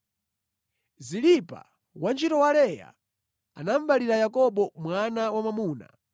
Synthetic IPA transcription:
zilipa̰ | want͡ʃitɔwalɛja̰ | anam̩baliɾajakɔɓɔmwanawamamuːna̰

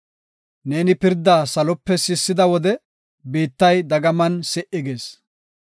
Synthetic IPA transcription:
ne̞ːnɪpɪɾd̪ːaːsɐlɔpːɛsɪsːɪd̪ɐwɔd̪ɛ | beːt̪ːɐjd̪ɐɡɐmɐnsɛʔɪɡe̞ːs

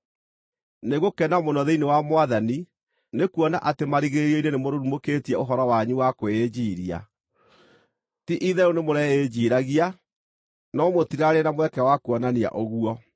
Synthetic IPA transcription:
neɣokɛnamonɔðeinewamowaðani | nekuɔna̰ʔatemaɾiɣeɾiɔinenemoɾoɾumoketiɛoɦɔɾɔwaɲuwakoed͡ʑiːɾia̰ | tiʔiðɛɾonemoɾɛed͡ʑiːɾaɣia | nɔmotiɾaɾenamwɛkɛwakuɔnania̰ʔoɣuɔ

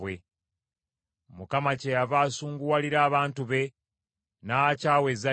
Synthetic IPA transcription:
we | mukamacejavaːsuːŋɡuwaliɾaːβaːntuβe̞ | nacaːwe̞za

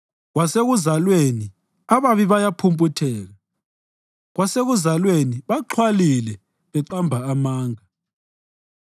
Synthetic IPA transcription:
ɣwaseɣuzalweni | aβaβiβajapʰumpʼutʰɛːɣa | ɣwaseɣuzalweniβaǃʰwalilɛ | βɛǃambʱaːmaːŋa

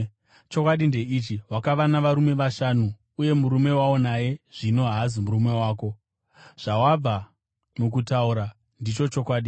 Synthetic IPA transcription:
t͡ʃo̞kwaɗinde̞it͡ʃiwakaʋanaʋaɾume̞ʋaʃanuː | je̞muɾume̞wao̞naje̞ʐ̥ino̞ɦazimurume̞waːko̞ | ʐ̥awab͡va | mukutauɾa | ndit͡ʃo̞t͡ʃokwaːɗi

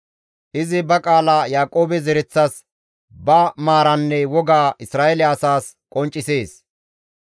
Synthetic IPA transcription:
ʔɪzɪbɐkʼaːlajaːkʼo̞ːbɛzɛɾɛt͡sːɐs | bɐmaːɾɐnːɛwɔɡaːʔɪsɾaːʔɛlɪɐsaːs | kʼɔnt͡ʃʼːɪse̞ːs

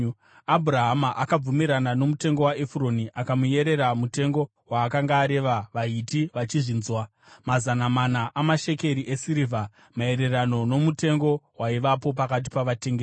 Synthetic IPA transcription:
abʱuɾaɦamaʔakab͡vumiɾanano̞mute̞ŋɡo̞waefuro̞niʔakamuje̞ɾe̞ɾamute̞ŋɡo̞ | waːkaŋɡaːɾe̞ʋaʋaitiʋat͡ʃiʐinzwa | mazanamanaʔamaʃe̞ke̞ɾiʔesiɾivʱa | mae̞ɾe̞rano̞no̞mute̞ŋɡo̞waiʋapo̞pakat̬i̥paʋate̞ŋɡe

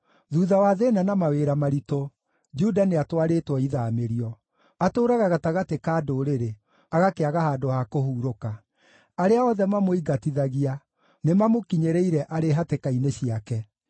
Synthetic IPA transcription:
ðuːðawaðenanamaweɾamaɾito | d͡ʒudaneatwaɾetwɔiðameɾiɔ | atoːɾaɣaɣataɣatekaːdoːɾeɾe | aɣakeaɣahaːdohakohuːɾoka | aɾeaɔðɛmamoiɡatiðaɣia | nemamokiɲeɾeiɾɛʔaɾeɦatekaineɕiakɛ

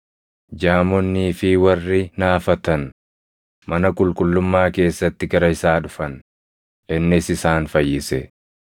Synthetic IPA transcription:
d͡ʒaːmɔnːiːfɪwɐrːɪnaːfɐt̪ɐn | mɐnɐkʼʊlkʼʊlːʊmːaːke̞ːsːɐt̪ːɪɡɐɾɐɪsaːᶑʊfɐn | ʔɪnːɪsɪsaːnfɐjːɪsɛ

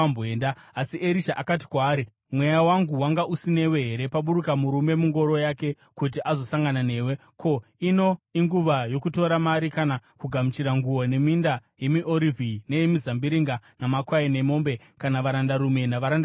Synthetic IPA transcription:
boeːndaasiʔeɾiʃaʔakat̬i̥kwaːɾi | mwejawaŋɡuwaŋɡaʔusine̞we̞ɦe̞ɾe̞paɓuɾukamuɾume̞muŋɡo̞ɾo̞jake̞ | kut̬iʔazo̞saŋɡanane̞ːwe̞ | kʰo̞ino̞iŋɡuʋajo̞kuto̞ɾamaɾikanakuɡʱamut͡ʃiɾaŋɡuwone̞mindaje̞miʔoɾivʱine̞jemizambiɾiŋɡanamakwaine̞mo̞mbe̞ | kanaʋaɾandaɾume̞naʋaɾand

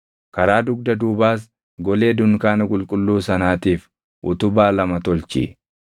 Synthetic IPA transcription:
kɐɾaːd̪ʊɡ̚d̪ɐd̪uːbaːs̬ | ɡɔle̞ːd̪ʊnkaːnɐkʼʊlkʼʊlːuːsɐnaːt̪iːf | ʔʊ̰t̪ʊbaːlɐmɐt̪ɔlt͡ʃɪ̰

